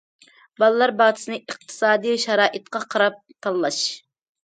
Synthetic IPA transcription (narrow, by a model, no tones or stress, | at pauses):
bɑlˠɨlˠɑɾbɑːd̪ʰɨsɨnɨəq̚t̪ʰɨ̥sɑːd̪ijʃɑɾɑːʔɨt̪̚qɑqʰɑɾɑp̚t̪ʰɑlˠːɑʃ